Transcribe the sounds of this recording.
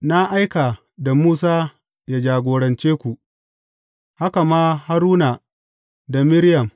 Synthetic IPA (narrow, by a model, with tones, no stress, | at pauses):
na˦ʔa˦jka˨ | da˨muː˦s̬aː˦ | jaː˦d͡ʒaː˨ɡʷoː˨ɽɐ˨nt͡ʃeː˦kʷu˨ʔ | ha˦ka˨maː˦ha˦ɾuː˦na˨ | da˨mɪ˦ɽjɐ˨m